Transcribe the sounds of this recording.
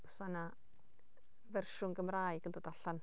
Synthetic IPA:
əsana | vɛrʃʊŋɡəmraːjɡəndoːdaɬan

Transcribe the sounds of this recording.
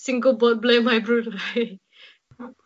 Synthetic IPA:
sĩŋɡəlbɔt̚blẽmajbɹuda

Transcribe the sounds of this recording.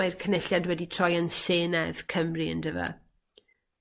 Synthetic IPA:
ajrkʰənɪɬjadwɛditʰr̥ɔjənseːnɛv̥kʰəmriə̰ndəva̰

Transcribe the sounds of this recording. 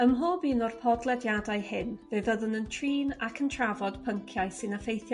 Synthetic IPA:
əmɦoːbiːnɔrpʰɔdlˠɛdjadajhɪnveðəðənəntʰriːnakʰəntʰravɔd̥pʰəŋkʰjajsɪnafejθjɔ

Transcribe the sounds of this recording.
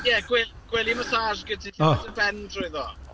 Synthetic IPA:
jɛɡwɛɡ̥wɛlˠiməsaːrɡədʰiɬɔəbɛndrʊɨðɔ

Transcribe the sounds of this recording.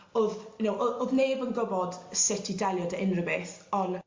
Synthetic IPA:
oðʊnowʔooðneːbənɡɔbɔdsɛtʰidalˠjɔdəɪnrəbeθɔn

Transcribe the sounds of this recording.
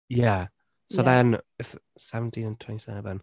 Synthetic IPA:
ja | soʊðə̃nɪð | sɛvə̃ntʰĩnə̃ntʰw̥ɛ̃nti̥sɛ̰və̃n

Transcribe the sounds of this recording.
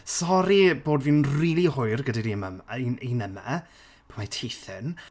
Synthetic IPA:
sɔɾiboːdviːnriːlˠihʊɨrɡədaɾiəmamininəma̰ | pʰamatʰejθɪn

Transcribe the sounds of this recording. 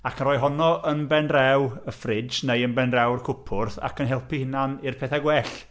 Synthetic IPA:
akʰənrɔːjɦɔnɔʔənbɛnrɛwəfrɪd͡ʒnejənbɛnrɛwrkʰʊpʰʊrθa̰kʰənɦɛlˠpʰihɪnanɪrpʰeθaɡwɛɬ

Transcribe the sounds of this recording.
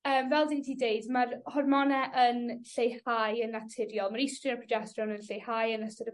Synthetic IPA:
əːmvɛlˠdiɡtʰiːdeɨdmarhɔrmɔnɛʔənɬejhaːjənatʰɪrjɔlˠmaɾɪstrɪnɔpʰɔd͡ʒɛsrɔnənɬejhajənəstəɾə

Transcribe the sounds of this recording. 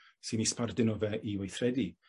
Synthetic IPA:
sɨnispardɪnɔvɛʔiwejθrɛdi

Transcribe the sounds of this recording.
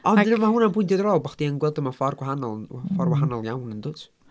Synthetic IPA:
ɔnəmahʊnanbʊjntʰjɔdəɾɔːlˠbɔχd̥iənɡwɛlˠdəmafɔrɡwaɦanɔlˠfɔrwaɦanɔlˠjawnəndʊːtʰ

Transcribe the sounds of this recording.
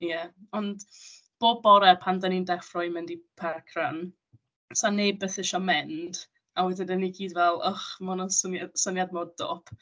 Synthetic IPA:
jɛɔnd | b̥oːd̚bɔɾɛpʰandənindɛkfrɔjmɪndipʰɛrkʰran | sanːebəθɪʃɔmɛnd̥ | awɛdɪnəniɡiːdvɛlˠɔχmɔnɔsənjasənjad̚modd̥o̰pʰ

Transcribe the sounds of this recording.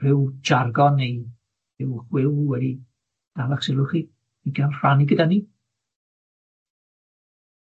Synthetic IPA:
r̥ɪwd͡ʒarɡɔnej | ɪwχwɪwwɛdi | d̥alˠaχsɪlˠʊχi | iɡanr̥aniɡədani

